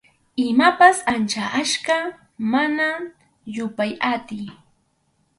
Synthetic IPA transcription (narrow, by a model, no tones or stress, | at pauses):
ɪmapasant͡ʃaʔaʃka | mana | jʊpajat̪ɪj